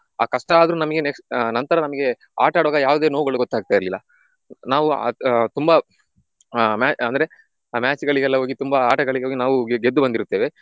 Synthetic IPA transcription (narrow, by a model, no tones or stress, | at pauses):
a̰ːkɐʂʈɐaːd̪ɐɾuːnɐmɐɡeneknɐnt̪ɐɾɐnɐmɐɡe̞ | a̰ːʈaːɽuʋaːɡɐjaːʋud̪e̞ːnoʋuɡɐɭuɡɔt̪ːaːɡ̚t̪aːjiɾlilːɐ | naːʋṵt̪umbɐ | maːɐnd̪ɐɾe̞ | maːt͡ʃɡɐɭiɡɛlːɐɦo̞ːɡit̪umbɐaːʈɐɡɐɭiɡeɦoɡinaːʋuɡed̪ːubɐnd̪iɾut̪ːeːʋe̞